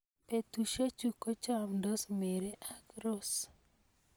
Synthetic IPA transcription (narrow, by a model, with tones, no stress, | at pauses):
pe˨tu˨ʃe˦t͡ʃu˨ko˦t͡ʃa˦mndo˦sme˨ɾe˦ʔa˦kɾo˦s